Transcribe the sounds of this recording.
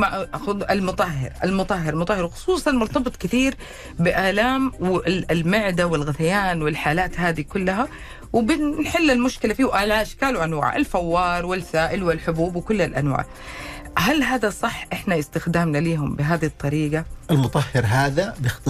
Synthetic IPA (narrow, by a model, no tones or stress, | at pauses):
maʔʊʔalmʊt̪ˤɑhːɪ̰ɾʔa̰lmʊt̪ˤɑɦːɪɾlmʊt̪ˤɑhːɪɾwxʊ̥sˤuːsˤɑnmʊɾt̪ɑbɨt̪ˤkɪθiːɾ | bɪʔaːlaːmwɪlmɪʕd̪awɪlɣaθajaːnwɪlħaːlaːt̪haːd̪ikʊlːaɦa | wɪbɪnħɪlːɪlmʊʃkɪlafiːʔaːlʕaːʃkaːlʊʔanwa̰ːʕʔɪ̰lfawːɑːɾˤwɪlsaːʔɪlwɪlħʊbuːbwɪkʊlːalʔa̰nwa̰ːʕ | ɦalɦaːðasˤɑħːʔɪħnaɪst̪ɪxd̪aːmnaliːɦʊmbɪɦaːðiht̪ˤːɑɾiːɡaʔɪlmʊt̪ˤɑhːɪɾɦaːðabɪxt̪ɨ